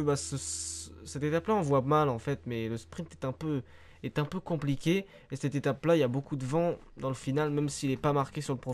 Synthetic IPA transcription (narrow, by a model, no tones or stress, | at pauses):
basəssɛt̪et̪aplaɑ̃vwamalɑ̃fɛt̪mɛləspχĩnt̪ɛ̥t̪ɛ̃pø | ɛt̪ɛ̃pøkɔ̃plikʲe | esɛt̪et̪aplailabokud̪əvɑ̃ | d̪ɑ̃ləfinalmɛmsiːlɛpamaʁkʲesyʁləpχɔ